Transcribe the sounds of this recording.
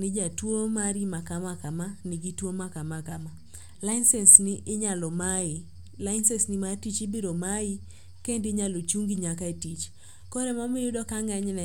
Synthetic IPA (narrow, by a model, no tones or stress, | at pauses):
nɪd͡ʒatwomaɾimakamakamanɪɡitwomakamakama | laɪnsɛnsnɪʔɪɲalɔmaɪ | laɪnsɛnsnimatit͡ʃɪbiɾomai | kendiɲalot͡ʃuŋɡiɲakaetit͡ʃ | kɔɾɛmamijʊdɔkaŋɛɲnɛ